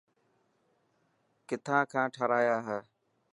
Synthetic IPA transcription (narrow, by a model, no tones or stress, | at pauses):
kɪt̪ʰãːkʰãːʈʰəɾaːjaːɦɛː